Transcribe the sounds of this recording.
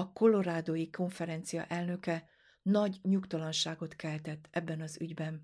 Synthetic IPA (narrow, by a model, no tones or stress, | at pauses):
ɒko̞lo̞ɾaːd̪ojiko̞ɱfɛɾɛnt̪sijɒ̰ʔɛlnø̞kɛ | nɒɟɲukt̪ɒlɒnʃaːɡo̞t̪kɛlt̪ɛt̪ːɛbːɛnɒzyɟbɛn